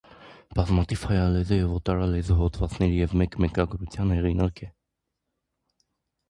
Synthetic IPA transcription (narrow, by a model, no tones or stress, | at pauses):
b̥ɑzmɑt̪ʰiv̥hɑjɑlɛzəjɛvɔt̪ɑɾɑlɛzəɦɔt̪ʰvɑt͡snɛɾijɛvmɛkmɛkɑɡɾut͡sʰjɑnhɛʁinɑɾkʰɛ